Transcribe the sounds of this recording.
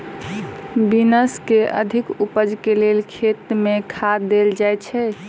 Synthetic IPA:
binəskeʔə̰d̪ʱikupəd͡ʒkelelkʰet̪mekʰad̪eld͡ʒajt͡ʃʰɛ

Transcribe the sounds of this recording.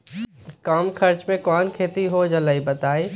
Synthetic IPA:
kɐmkʰɐɾt͡ʃmẽkɔːnkʰeːt̪iɦod͡ʒɐləibɐt̪aːi

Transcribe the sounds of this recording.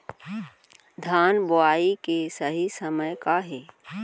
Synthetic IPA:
d̪ʱaːnboaːikesəɦisəməjkaɦɛː

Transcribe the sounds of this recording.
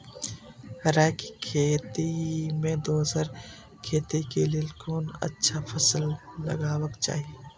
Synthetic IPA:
ɾɛːki̥kʰeːt̪imẽd̪oːsəɾ | kʰeːt̪ikeliekoːnə̰tːʃʰafʰəslːɐ̰ɡaːwəkt͡ʃa̰ːɦieː

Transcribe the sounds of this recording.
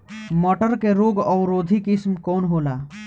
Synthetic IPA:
mɔʈəɾkeɾoːɡɔːɾoːd̪ʱikɪsmkoːnɦoːlaː

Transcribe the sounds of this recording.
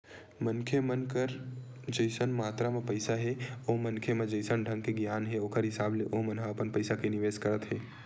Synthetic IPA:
mənkʰemənkəɾ | d͡ʒəɪsənmaːt̪ɾamẽpəɪsaɦeoːmənkʰemẽd͡ʒəɪsənɖʱə̃ŋɡ̚keɡjaːnɦeoːkʰəɾɦɪsaːbleʔoːmənɦaɐpənpəɪsakenɪʋeːskəɾət̪ɦeː

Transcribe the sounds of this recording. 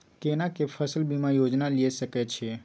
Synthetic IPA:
kenakepʰəsəlbʱimãjod͡ʒnaliesəket͡ʃʰe

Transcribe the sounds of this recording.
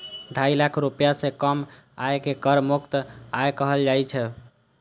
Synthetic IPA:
ɖʱailakʰɾupjasẽkəm | aekekəɾmukt̪ajkəɦəld͡ʒajt͡ʃʰɛ

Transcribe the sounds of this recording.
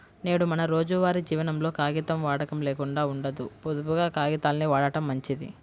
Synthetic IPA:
ne̞ːɽumɐnɐɾo̞ːd͡ʒuʋaːɾid͡ʒiːʋɐnɐmlo̞ːkaːɡit̪ɐmʋaːɽɐkɐmleːkuɳɖaːuɳɖɐd̪upod̪upuɡaːkaːɡit̪aːlɐniʋaːɽɐʈɐmːɐɲt͡ʃid̪ḭ

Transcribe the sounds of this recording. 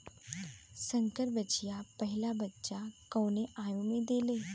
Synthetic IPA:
sə̃ŋkəɾbət͡ʃijapɐɦɪlabətːʃakɔ̃ːneʔaːjõmẽd̪eːleː

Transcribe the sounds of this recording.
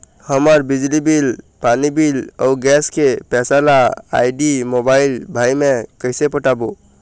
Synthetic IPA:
həməɾbid͡ʒlibil | panibila̰uɡɛskepɛsalaa̰jɖimobailbʱajmekəjsepəʈabo

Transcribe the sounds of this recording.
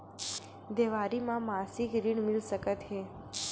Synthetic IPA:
d̪eʋaɾimãmasikɾiɳmilʃəkət̪ɦe

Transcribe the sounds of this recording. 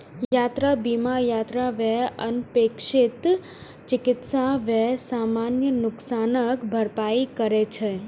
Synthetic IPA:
jat̪ɾabimajat̪ɾaʋɛɦə̰npekʃɪt̪ | t͡ʃɪkɪt̪saʋɛɦsamanjənʊksanəkbʱəɾpaikəɾet͡ʃʰe

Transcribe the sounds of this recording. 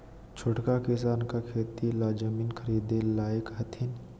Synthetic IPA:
t͡ʃʰʊʈkakɪsaːnkakʰeːt̪ilaːd͡ʒəmiːnkʰəɾiːd̪elaːjəkɦɐt̪ʰɪn

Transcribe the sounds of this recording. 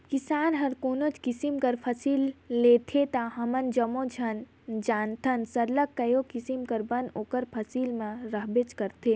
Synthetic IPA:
kisaːnɦɐɾkoːnot͡ʃkisimkɐɾpʰɐsiːlːeːt̪ʰet̪aɦɐmənd͡ʒɐmõd͡ʒʱɐn | d͡ʒaːnt̪ʰɐnsɐɾləkːɐjokisimkɐɾbɐnoːkəɾpʰɐsiːlmẽɾəɦbet͡ʃkɐɾt̪ʰe

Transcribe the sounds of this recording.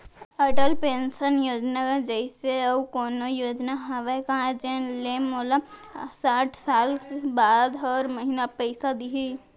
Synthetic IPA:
əʈəlpeːnsənjoːd͡ʒnakad͡ʒəɪseɐkoːnojoːd͡ʒnaɦɐʋekɐɦãd͡ʒẽlemoːlasaːʈʰsaːlbaːd̪ɔːɾmɐɦinapəɪsad̪iɦi

